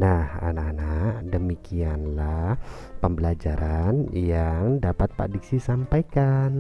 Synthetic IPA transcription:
naha̰naʔanadəmikianla | pəmbəlad͡ʒaɾʔanjaŋdapat̪̚pa̰diksisampajkan

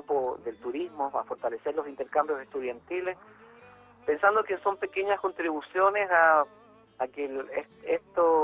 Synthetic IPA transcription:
poðe̞lt̪uɾizmoa̰fo̞ɾt̪alese̞ɾlosint̪e̞ɾkambjosest̪uðjant̪iles | pe̞nsand̪okenso̞mpe̞keɲasko̞nt̪ɾiβusjo̞nesaː | keleest̪o

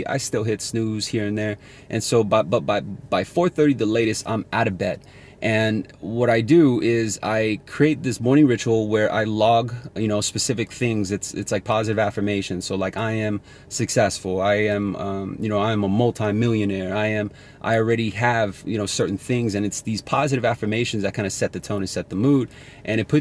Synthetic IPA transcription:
ʔa̰ɪstɪlˠɦɪtsnʉz̥hiɹɨ̃nðə˞ | ʔɨ̃nsoʊbat̚b̥ʌt̚b̥aɪb̥aɪfɔɹθɜ˞ɾiðəleɪɾɨstã̰ɪ̃mæɾɨbɛt̚ | ʔɨ̃nwʌɾaɪdɨɪza̰ɪkʰɹ̥ieɪt̪̚ðɪsmɔɹñɪ̃ŋɹɪt͡ʃul̩ˠwə˞ʔa̰ɪlɔɡjɨñoʊspɨsɪfɨk̚θɪ̃ŋzɨtsɪ̰tslaɪk̚pʰɑzɨɾɨvæfə˞meɪʃɨ̃nsoʊlaɪkaɪɨ̃m | sɨksɛsfl̩ˠaɪɨ̃mʌ̃jɨñoʊãɪɨ̃məmʌlˠtʰãɪ̃mɪlˠjɨnɛɹaɪɨ̃m | ʔa̰ɪl̩ˠɹɛɾiɨv̥jɨñoʊsɜ˞ʔn̩θɪ̃ŋzɨ̃nɨtsðiz̥pʰɑzɨɾɨvæfə˞meɪʃɨ̃n̩zaɪkʰãɪ̃nɨsɛt̪̚ðɨtʰõʊ̃nɨsɛt̪̚ðəmud | ʔɨ̃ɾ̃ɨt̚pʰʊ

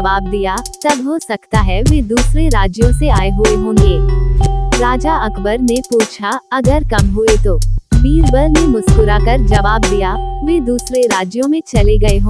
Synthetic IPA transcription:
ʋaːb̚d̪ijat̪ɐbɦosɐkt̪aɦɛʋeːd̪uːsɾeɾaːd͡ʒjõseaːeɦʊeɦõːŋɡeː | ɾaːd͡ʒaɐkʰbəɾnepuːt͡ʃʰaɐɡəɾkɐmɦʊet̪oːbiːɾbəɾnemʊskʊɾakɐɾd͡ʒɐʋaːb̚d̪ijaʋeːd̪uːsɾeɾaːd͡ʒjõmẽt͡ʃɐleɡɐeɦõː

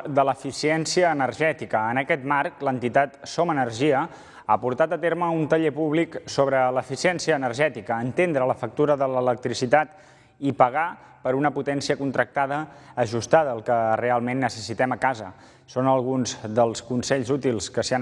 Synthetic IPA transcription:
d̪ələfisiɛnsiəːnəɾʒɛt̪ikəːnəkɛt̪marklənt̪it̪at̪somənərʒiə | apuɾt̪at̪ət̪eɾməunt̪əʎepuβliksoβɾələfisiɛnsiəːnərʒɛt̪ikəːnt̪end̪ɾələfək̚t̪uɾəðələlək̚t̪ɾisit̪at̪ | ipəɣa | pəɾunəput̪ɛnsiəkunt̪ɾək̚t̪aðəːʒust̪aðəəlˠkərealˠmenːəsəsit̪ɛməkazə̰ | sonəlˠɣ̞unzd̪əlˠskunsɛʎzut̪ilˠskəsia

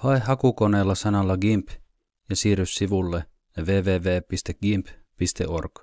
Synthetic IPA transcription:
hɑehɦɑkukoneːlːɑsɑnɑlːɑɡimp | jɑsiːryssiʋulːe | jɑʋeːʋeːʋeːpist̪ekɡ̥imppist̪eʔo̰rk

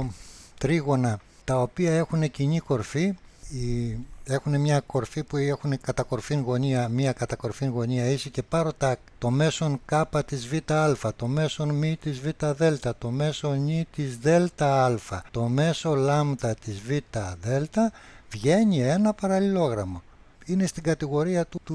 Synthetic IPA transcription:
t̪ɾiɣo̞nɐ | t̪ɐo̞piɐe̞xune̞ciɲiko̞ɾfiie̞xune̞mɲɐko̞ɾfipuexune̞kɐt̪ɐko̞ɾfinɣo̞niɐmiɐkɐt̪ɐko̞ɾfiŋɣo̞ɲiɐisice̞pɐɾot̪ɐ | t̪o̞me̞so̞ŋkɐpɐt̪izvit̪ɐɐlfɐt̪o̞me̞so̞nmit̪izvit̪ɐðe̞lt̪ɐt̪o̞me̞so̞ɲit̪izðe̞lt̪ɐɐlfɐt̪o̞me̞so̞lɐmðɐt̪izvit̪ɐðe̞lt̪ɐvʝe̞ɲie̞nɐpɐɾɐlilo̞ɣɾɐmɐ | ine̞st̪iɡɐt̪iɣo̞ɾiɐt̪ut̪u

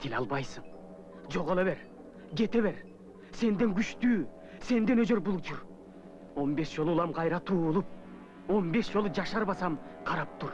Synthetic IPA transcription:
t̪ʰilʲɑlˠbɑjsɯɴ | d͡ʒo̞ʁolˠeβeɾ | ɡe̞t̪e̞βe̞ɾ | se̞nd̪e̞ŋɡyt͡ʃt̪yː | se̞nd̪enøzø̞ɾbulˠut͡ʃʰuɾ | o̞mbe̞ʃd͡ʒolˠulˠɑmqʰɑjɾɑt̪ʰuːlˠup̚ | o̞mbe̞ʃd͡ʒo̞lˠud͡ʒɑʃɑɾβɑsɑmqʰɑɾɑp̚t̪ʰuɾ

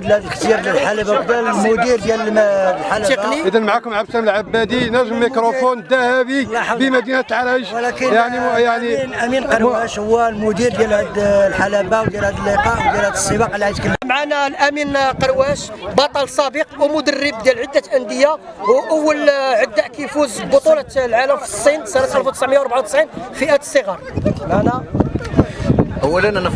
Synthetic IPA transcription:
d̪lhæd̪əlkt̪jiɾəlħalabad̪æmʊd̪iɾd̪jælmħaəqniəd̪ænmʕakʊmʕaftæməlʕabːæd̪inæʒəmːikɾofond̪æhæbibəmæd̪inæt̪lʕalæʒlækəjaʕnijaʕnilʔæminqɑɾæʃhʊwːlmʊd̪iɾd̪jælhæd̪lħalæbawd̪jælhæd̪əlːəqɑʔwd̪jælhæd̪əsˤːəbɑqlʕad̪kəlːmʕanælʔæminqɑɾwæʃbɑt̪ˤɑlsˤɑbəqwmʊd̪ərːəb̚d̪jælʕəd̪ːæt̪ʔənd̪əjːawʔəwːəlʕəd̪ːæʔkæjfuzbot̪ˤulɑlʕaləmfi̥sˤːinsˤɑnæt̪ʔælfwt̪əsʕməjawɾbʕawt̪ə̥sʕinfiʔæt̪ə̥sˤːəɣɑɾˤmʕanæ | ʔəwːælənʔænəf

